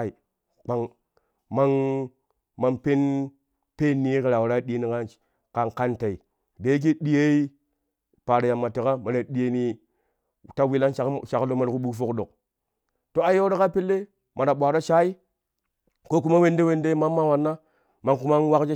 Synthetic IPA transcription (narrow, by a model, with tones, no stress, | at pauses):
i˨ | k͡pa˨ŋ | ma˦ŋ | ma˨npe˦n | pe˦nːi˨˦ki˨ɾa˨wa˨ɾa˦ɗi˦ni˨ka˦ | ka˨ŋka˦nta˨i˨ | de˨˦k̬i˦ɗi˦je˦i˦ | pa˨ɾa˨ja˨mːa˨ti˨ka˦ma˨ɾa˨ɗi˦je˦ni˦˨ | ta˦wi˦la˦nʃa˨˦ʃa˨klo˦ma˨ɾku˦ɓu˦fo˦kɗo˨k̚ | to˦a˨jo˦ɾa˦ka˦pe˦lːe˦ | mʔa˨ɾa˨ɓʷa˨ɾa˦t͡ʃa˦i˦ | ko˦ku˦ma˦we˦nde˦we˦nde˦i˦ma˦mːa˦wa˨nːa˦ | ma˨ŋku˦ma˦nwa˦kd͡ʒe˦